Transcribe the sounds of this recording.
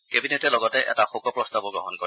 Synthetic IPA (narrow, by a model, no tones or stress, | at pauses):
kebinetɛlɔɡɔtɛʔɛ̰taxokɔpɹɔstabɔɡɔɦɔnkɔɹi